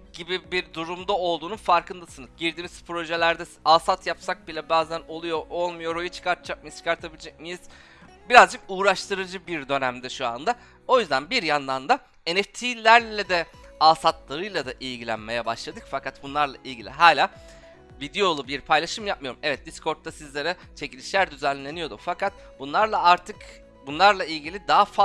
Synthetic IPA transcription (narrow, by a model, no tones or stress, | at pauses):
ɟibibiɾd̪uɾumd̪ao̞lˠd̪uːnunfaɾkʰɯnd̪asɯnɯzɟiɾd̪iːmiz̥pɾo̞ʒelʲæɾd̪ɛaːsat̪ʰjapsak̚bilʲɛbaːzæno̞lˠujo̞ɾʔo̞lˠmujo̞ɾo̞jut͡ʃʰɯ̥kʰaɾt̪ʰɯd͡ʒak̚mijizt͡ʃʰɯkʰaɾt̪ʰabilʲed͡ʒɛc̚mijiz̥ | biɾazd͡ʒɯkuːɾaʃt̪ʰɯɾɯd͡ʒɯbiɾd̪ø̞næmd̪ɛʃua̰nd̪a | o̞jyzd̪ænbiɾjand̪and̪a | e̞nɛft̪ʰilʲæɾlʲɛd̪ɛ | aːsat̪lˠaɾɯjlˠad̪aʔilʲɟilʲæ̰nme̞jɛbaʃlˠad̪ɯkfakat̪̚bunlˠaɾlˠa̰ʔilʲɟʲilʲiɦaːlʲaː | vid̪ejo̞lˠubiɾpʰajlˠaʃɯmjap̚mɯjo̞ɾumɛvɛt̪̚d̪isko̞ɾt̪ʰːasizlʲe̞ɾɛ | t͡ʃʰe̞cilʲiʃlʲæɾd̪yzænlːʲe̞nijo̞d̪ufakat̪̚ | bunlˠaɾlˠaaɾt̪ʰɯk | bunlˠaɾlˠailʲɟilʲid̪aɦafa